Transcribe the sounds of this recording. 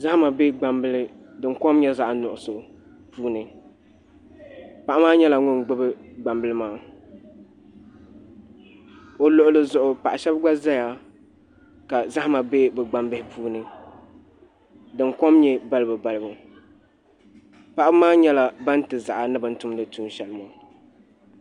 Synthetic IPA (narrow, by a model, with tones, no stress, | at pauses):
za˦hma˨be˦ɡ͡ba˨mbɨ˦lɨ˦ | dɨ˨ŋkɔ˦mɲɛ˦za˦ʔa˨nʊ˨ʔʊ˨so˨ | puː˦nɨ˨ | pa˨ʔa˦maː˦ɲɛ˦la˨ŋʊ˦nɡ͡bʊ˦bɨ˦ɡ͡ba˨mbɨ˦lɨ˦maː˦ | o˨lo˨ʔʊ˦lɨ˨zʊ˨ʔʊ˨pa˨ʔa˨ʃɛ˦bɡ͡ba˦za˦ja˨ | ka˨za˦hma˨be˦bɛ˨ɡ͡ba˨mbɨ˦hɪ˦puː˦nɨ˨ | dɨ˨ŋkɔ˦mɲɛ˦ba˦lɨ˦bɨ˨ba˨lɨ˦bu˨ | pa˨ʔa˦bmaː˦ɲɛ˦la˨ba˦n̩˦tɨ˨za˨ʔa˨nɨ˦bɨ˨n̩˦tʊ˦m˦lɨ˨tuː˦n˨ʃɛ˨lɨ˦ma˨